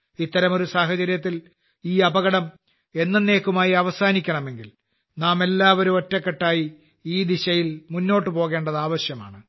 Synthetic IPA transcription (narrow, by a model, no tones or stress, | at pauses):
it̪ːɐɾɐmo̞ɾusaːɦɐt͡ɕɐɾjɐt̪ːil | iːɐbɐɣɐɽɐm | e̞nːɐne̞ːkːumaːjiɐʋɐsaːnikʲːɐɳɐme̞ŋɡil | naːme̞lːaːʋɐɾumotːɐkːeʈːaːji | iːd̪iɕɐjilmunːo̞ːʈːɨpo̞ːɣe̞ːɳɖɐðaːʋɐɕjɐma̰ːɳɨ